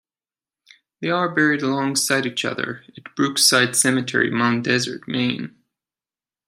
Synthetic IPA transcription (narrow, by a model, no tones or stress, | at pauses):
ðeɪə˞bɛɹiɾəlɔ̃ŋsaɪɾit͡ʃʌ̰ðə̰˞ɨt̚b̥ɹʉksaɪd̥sɛmɨtʰɛ̰ɹḭmãʊ̃ndɛzə̰˞t̚mẽɪ̃n